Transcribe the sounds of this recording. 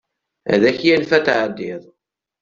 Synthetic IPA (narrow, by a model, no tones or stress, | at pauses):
æ̰ðæçjælfæt̪ʕəd̪ːɪðˤ